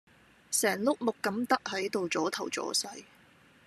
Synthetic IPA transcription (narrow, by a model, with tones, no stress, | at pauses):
sɛː˨˩ŋlʊ˥k̚mʊ˨kːɐ˨˥mt̪ɐ˥k̚hɐ˨˥jt̪o˨wt͡sɔː˨˥t̪ʰɐ˨˩wt͡sɔ̰ː˨˥sɐ˧j